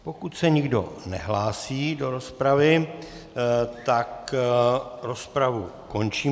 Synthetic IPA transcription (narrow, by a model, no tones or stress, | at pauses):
po̞kut̪sɛɲɪɡdo̞̰nɛ̰ɦlaːsiːdo̞ɾo̞spɾavɪ | t̪ak | ɾo̞spɾavuko̞nt͡ʃiː